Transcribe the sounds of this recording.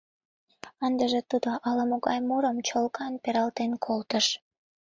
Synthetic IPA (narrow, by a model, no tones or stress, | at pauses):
ənd̪əʒet̪ud̪oʔɑlɑmoɣɑjmuɾəmt͡ɕolkɑnpeɾɑlt̪enkʰolt̪əʃ